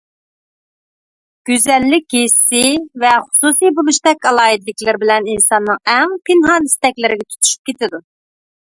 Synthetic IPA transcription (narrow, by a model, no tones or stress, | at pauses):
ɡ̥ʲyzɛlːɪk̚ʲɡesɪvɛχʊ̥susijbulˠuʃt̪ɛkʲɑlˠɑːɦid̪lɪkʲlɪɾbɪlɛninsɑnːɨŋɛŋpʰɪnɦɑnist̪ɛkʲlɪɾɪɡʲɛt̪ʰu̥t̪ʰu̥ʃy̥p̚kʲʰet̪ɪd̪u